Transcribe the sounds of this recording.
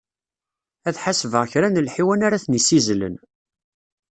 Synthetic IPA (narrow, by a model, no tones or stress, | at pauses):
æθħasvəʁçɾænəlħiwænaɾaθnisizlə̰n